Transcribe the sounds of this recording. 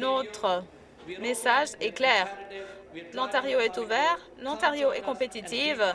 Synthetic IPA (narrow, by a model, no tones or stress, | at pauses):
not̪χə | mesaʒɛklɛːʁ | lɑ̃t̪aʁjoɛt̪uvɛʁ | lɑ̃t̪aʁjoɛkɔ̃pet̪it̪iv